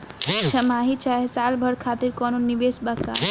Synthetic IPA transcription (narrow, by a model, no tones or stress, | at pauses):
t͡ʃʰɐmaːɦit͡ʃaːɦesaːlbʱəɽkʰaːt̪iɾkɔːnonːiʋeːsbakːa̰ː